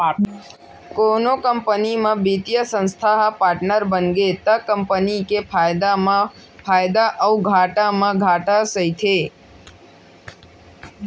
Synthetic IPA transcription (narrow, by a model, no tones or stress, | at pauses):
konokəmpənimãbit̪ijəsə̃nst̪ʰaɦapaɾʈnəɾbənɡet̪əkəmpənikepʰajd̪a | pʰajd̪aʔəuɡʱaʈamãɡʱaʈasəɦjt̪ʰe